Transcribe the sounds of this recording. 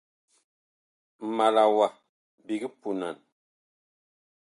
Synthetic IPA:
ma˨la˨wa˨ | bi˨ɡi˦pu˨na̰˨n

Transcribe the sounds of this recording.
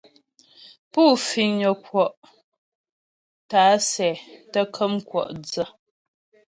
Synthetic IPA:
puː˦˨fi˨ŋɲə˨kwɔ˨ʔ | taː˨˦sɛ˨tə˦kʰə˦mkwɔ̰˨ʔd͡zə˦˨

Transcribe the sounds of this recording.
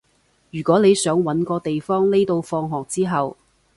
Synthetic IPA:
jyː˨˩kʷɔː˨˥ne˨˧jsœː˨˥ŋwɐ˨˥nkɔː˧t̪e˨jfɔː˥ŋle˥jt̪o˧wfɔː˧ŋɦɔː˨k̚t͡siː˥ɦɐ˨w

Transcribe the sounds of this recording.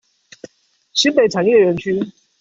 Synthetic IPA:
ɕi˧˥npe˨˩ɪʈ͡ʂʰa˨˦njɛ˥˩ɥɛ˧˥nt͡ɕʰy˥

